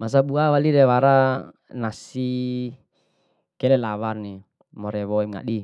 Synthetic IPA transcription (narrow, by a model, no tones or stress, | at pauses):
mas̬abuawaliɾɛwaɾa | nasi | kɛlɛlawarni | mɔɾɛwɔimŋa̰ɗi